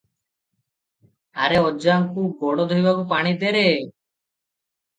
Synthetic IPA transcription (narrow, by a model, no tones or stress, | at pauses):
aɾeɔd͡ʒaŋkuɡɔɽɔd̪ʱɔjbakupaɽ̃id̪eɾe